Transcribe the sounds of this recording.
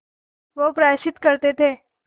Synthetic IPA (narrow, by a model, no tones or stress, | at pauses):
ʋəpɾəjaɕit̪kəɾt̪et̪ʰe